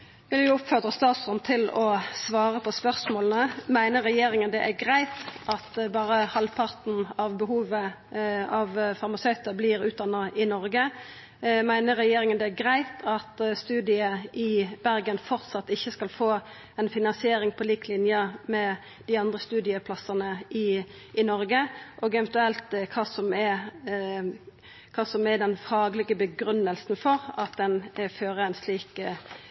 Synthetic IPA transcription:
ʋɪljʊʊpføʁd̪ʁəst̪ɑːt̪sʁɔnt̪ʰɪlɔsʋɑːʁəpʰɔspœʁsmoːlən̩əmæɪnəɾːɛjeːʁɪŋənd̪ɛʔæʁɡɾæɪt̪ʔɑt̪bɑːʁəhɑlpʰɑʁt̪n̩ɑʋbəhuːʋə | ɑʋfɑʁmɑsœʏt̪əblɪɾʉːt̪d̪ɑnːəʔɪnɔʁɡə | mæɪnəʁːɛjeːɾɪŋənd̪ɛæɡʁæɪt̪ʰɑt̪st̪ʉːd̪ɪəɪb̥æʁɡənfɔʁt̪sɑt̪ːɪçːəskɑlfoː | ɛnfɪnɑnsɪeːɾɪŋpʰɔliːklɪnjəmɛ | d̪̥ɪɑnd̪ʁəst̪ʉːd̪ɪəpʰlɑsənəɪ | ʔɪnɔɾɡəʔoːɡɛvɛnt̪ʉɛlt̪kʰɑːsɔmɛ | kʰɑːsɔmɛd̪ɛnfɑːɡlɪɡəbəɡɾʉnːəlsn̩fɔɾɑt̪̚d̪ɛnføːʁəæɪnsliːk

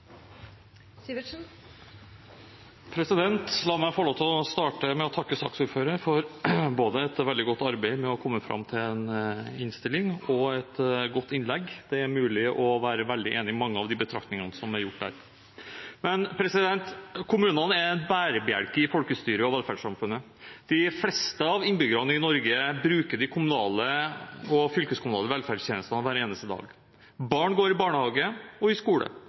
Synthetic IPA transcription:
pʰɾɛsɪd̪ɛnt̪lɑːmæɪfɔɭoːt̪ʰlɔst̪ɑːʈəmɛɔt̪ʰɑkːəsɑ̰ːksuːɾføːɾəɾfɔɾboːd̪əɛt̪ʋɛld̪ɪɡɔt̪ːɑɾbæɪmɛɔkʰɔmːəfɾɑ̰mt̪ʰɪlɛnɪnst̪ɪlːɪŋɔɛt̪ɡɔt̪ːɪnlɛɡːd̪̥ɛæɾmʉːlɪʔɔʋæːɾəʋɛld̪ɪʔeːnɪmɑŋːəɑʋd̪ɪbət̪ʰɾɑ̰kt̪nɪŋənəsɔmæɾjʊʈːdæ̰ːɾ | mɛnpʰɾɛsɪd̪ɛnt̪kʰʊmʉːnənæɾnbæːɾəbəæ̰ɽkəɪfɔlkəst̪yːɾəɔʋɛlfæɖʂɑmfʉnːə | d̪̥ɪflɛst̪əɑʋɪnbʏɡəɾɑnəɪnɔɾɡəbɾʉːkəɖɪkʰʊmʉnɑːləɔfʏlkəskʰʊmʉnɑːləʋɛlfæːɖst̪ʰeːnəst̪ɑnəʋæːɾeːnəst̪əd̪ɑ̰ːɡ | bɑːɳɡoːɾɪbɑːɳəhɑːɡəɔɪskuːlə̰

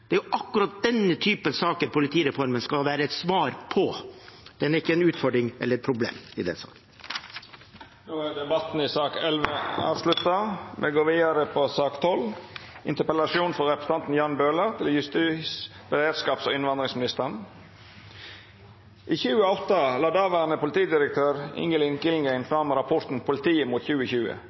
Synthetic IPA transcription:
d̪̥ɛæɾjʊʔɑkːʉɾɑt̪̚d̪ɛnət̪ʰyːpənsɑːkəɾpʊlɪt̪ʰiːɾɛfɔɾmənskɑʋæːɾəɛt̪sʋɑːɾpʰɔd̪̥ɛnæɾɪkːəɛnʉːt̪fɔɖɾɪŋʔɛlːəɾɛt̪̚pʰɾʊblḛːmɪd̪ɛ̰nsɑ̰ːkn | noːæʁd̪ɛbɑt̪n̩ɪsɑːkɛlʋeɑ̰ːʋslʉt̪ːɑmʔɛɡoːʋiːd̪əɾəpʰɔsɑːkt̪ʰɔlʔɪnt̪əpəlɑʂɪuːnfɔɾɾɛpɾəsə̥t̪ɑnt̪n̩jɑnbøːləɾt̪ʰɪljʉst̪iːs | b̥əɾeːd̪skɑːpso̰ːɪnʋɑnd̪ɾɪŋsmɪnɪst̪əən | ʔiːçʉːəɔt̪ːɑlɑːd̪ɑːʋæɾnəpʊlɪt̪ʰiːəd̪ɪɾək̚t̪ʰøːɾɪ̰ŋəlɪŋkɪlŋɡæɪnfɾɑmɾɑpʰɔɾt̪n̩pʰʊlɪt̪ʰiːəmuːt̪çʉːəçʉːə̰

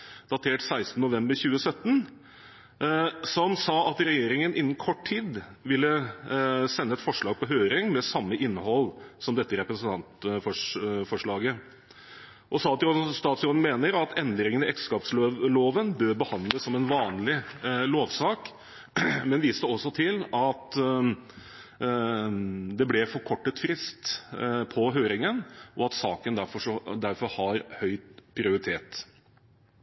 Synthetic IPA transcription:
d̪̥ɑt̪ʰeːʈsæɪst̪nəʊʋɛmbəɾçʉːəsœt̪ːn | sɔmsɑːɑt̪ɾɛjeːɾɪŋənʔɪnːn̩kʰɔʈʰiːd̪ʋɪlːə | sɛnːəɛt̪fɔʂɭɑːɡ̚pɔɦøːɾɪŋmɛsɑmːəʔɪnːəɦɔlːsɔmd̪ɛt̪ːəɾɛpɾəsənt̪ʰɑnt̪fɔfɔʂɭɑːɡə | ʔɔsɑːt̪ɪst̪ɑːt̪sjoːn̩meːnəɾɑt̪ʰɛnd̪ɾɪŋənɪʔɛkskɑːpsloːʋənbøːɾbəhɑnd̪ləsːɔmɛnʋɑːnlɪloːʋsɑːk | mɛnʋiːst̪əɔsːɔt̪ʰɪlɑt̪ | d̪ɛblɛfɔɾkʰɔʈːət̪fɾɪst̪pʰɔɦøːɾɪŋənʔɔɑt̪sɑːkənd̪æɾfɔʂɔd̪æɾfɔɾhɑɾhœʏt̪pʰɾɪʊɾɪt̪ʰeːt̪

